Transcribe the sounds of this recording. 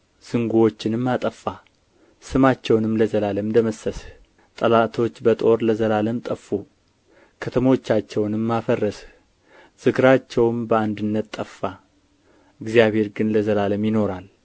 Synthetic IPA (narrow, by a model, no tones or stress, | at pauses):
z̥ɨŋɡuo̞t͡ʃːɪnɨmːat̪ʼəfːa | sɨmat͡ʃːɛwnɨmləzəlaləmd̪əməsːəs | t̪ʼəlat̪ʰo̞t͡ʃːbət̪ʼo̞ɾləzəlaləmt̪ʼəfu | kʰət̪ʰəmo̞t͡ʃːat͡ʃːɛwnɨmːafərːəs | z̥ɨɡɾat͡ʃːɛwmbəand̪ɨnːət̪t̪ʼːəfːa | ɨɡzijaβhe̞ɾɡɨnləzəlaləmjɪno̞ɾal